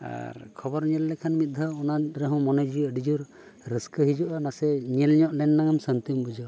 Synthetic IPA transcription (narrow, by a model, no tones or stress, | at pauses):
a̰ɾkʰɔbɔɾɲɛlːɛkʰanmit̪̚d̪ʱaɔnaɾɛɦɔ̃mɔnɛd͡ʒiɖid͡ʒuɾ | ɾəskəɦid͡ʒuʔanasɛɲɛlɲɔʔlɛnːaŋamsənt̪imbud͡ʒɔ